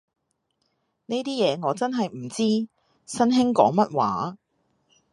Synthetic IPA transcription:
ne˥jt̪iː˥jɛː˨˧ŋɔː˨˧t͡sɐ˥nɦɐ˨jm̩˨˩t͡siː˥ | sɐ˥nɦɪ˥ŋkɔː˨˥ŋmɐ˥t̚waː˨˥

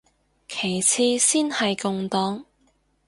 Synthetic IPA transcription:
kʰe˨˩jt͡sʰiː˧siː˥nhɐ˨jkʊ˧ŋt̪ɔː˨˥ŋ

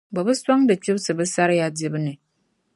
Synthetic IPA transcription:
ba˨bɨ˦swa˦ŋbɨ˨t͡ʃi˦bsɨ˨bɨ˦sa˦ɾja˦de˦bɨ˦nɨ˨

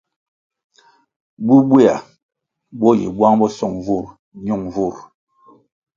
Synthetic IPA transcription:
bu˦bwe˦a˨ | bɔ˦jḭ˨bwa˦ŋbɔ˦sɔ˦˨ŋvu˦˨ɾ | ɲu˦˨ŋvu˦˨ɾ

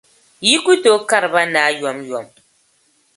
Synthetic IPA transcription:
ji˦ku˦to˨˦ka˦ɾba˦naː˨˦jɔ˨˦mjɔ˨m

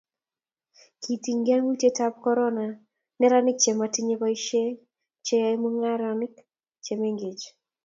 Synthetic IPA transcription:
kʰi˨ti˨ŋɡa˦nwu˦te˦ta˦p̚kɔ˦ɾɔ˦na˨ | nɛ˦ɾa˦nɪ˦k̚t͡ʃɛ˨ma˨ti˦ɲe˦pai˦ʃe˦ | t͡ʃɛ˦ja˦imu˦ŋa˦ɾanɪk | t͡ʃɛ˨me˦ŋɡe˨t͡ʃ

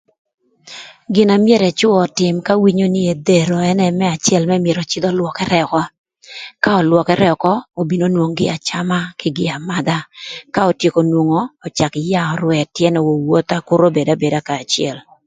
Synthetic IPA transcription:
ɡɪ˨na˨mjɛ˦ɾɛ˨t͡ʃʊ˦ɔ˨tɪ˨mka˦wi˦ɲo˦ni˦e˨d̪e˨ɾo˨ɛ˦nɛ˦mɛ˦a˨t͡ʃjɛ˦lmɛ˦mje˨ɾɔ˨t͡ʃɪ˦d̪ɔ˦lwɔ˨kɛ˦ɾɛ˦˨kɔ˦ | ka˦ɔ˨lwɔ˨kɛ˦ɾɛ˦ɔ˨kɔ˦o˨bi˨no˦nwo˨ŋɡɪ̰˦a˨t͡ʃa˦ma˦kɪ˦ɡɪ˨a˨ma˦d̪a˦ka˦ɔ˨tje˨ko˨nwo˨ŋoː˨t͡ʃa˨kɪ˨ja˦ɔ˨ɾwɛ˨tjɛ˦nɔ˨wo˨wo˦t̪a˨kʊ˦ɾo˦be˨da˦be˨da˦kaː˨t͡ʃɪɛ̰˨l

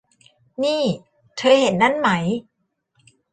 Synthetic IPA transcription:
niː˥˩ | t̪ʰɤː˧he˨˩˦nːa˦˥˨nma˦˥j

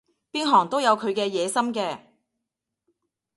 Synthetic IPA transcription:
piː˥nɦɔː˨˩ŋt̪o˥wjɐ˨˧wkʰɵ˨˧ɥkɛː˧jɛː˨˧sɐ˥mkɛː˧

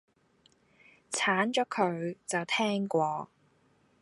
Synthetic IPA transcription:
t͡sʰaː˨˥nt͡ʃɔː˨˥kʰɵ˨˧ɥt͡sɐ˨wt̪ʰɛː˥ŋkʷɔː˧

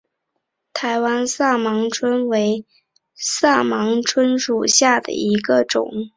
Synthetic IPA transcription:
t̪ʰa˧˥ɪwa˥nsa˥˩mɑ˧˥ŋʈ͡ʂʰwə˥nwe˧˥ɪ | sa˥˩mɑ˧˥ŋʈ͡ʂʰwə˥nʂu˨˩ɕja˥˩d̪ə̰˩i˧˥ɡə˧ʈ͡ʂʊ̰˨˩˦ŋ

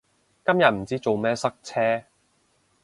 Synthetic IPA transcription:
kɐ˥mjɐ˨t̚m̩˨˩t͡siː˦˥t͡so˨wmɛː˥sɐ˥k̚t͡sʰɛː˥

